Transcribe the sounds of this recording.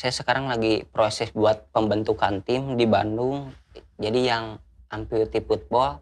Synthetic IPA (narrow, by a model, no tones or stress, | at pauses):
sajasəkaɾaŋlaɡipɾosɛsbuat̪̚pəmbənt̪ukant̪ɪmdibandʊŋd͡ʒadijaŋʔampit̪iput̪̚bɔ